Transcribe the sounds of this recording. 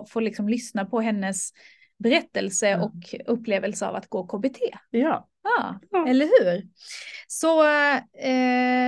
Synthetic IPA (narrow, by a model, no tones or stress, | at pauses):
foːɾlɪksɔmlʏsnapʰɔɦɛnːəs | bɛɾɛt̪ːəlsəʔɔkʰɵpːleːvəlsəa̰va̰t̪ɡ̥oːkʰoːbet̪ʰeː | jɑːɛlːəɾɦʉ̟ːɾ | sɔ | ɛ